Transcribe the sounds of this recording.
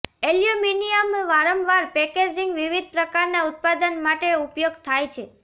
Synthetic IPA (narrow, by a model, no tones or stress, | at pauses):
eljuminiəmʋaɾəmʋaɾpɛked͡ʒiŋɡʋiʋid̪̚ʱpɾəkaɾnaut̪̚pad̪ənmaʈeupjoɡt̪ʰajt͡ʃʰe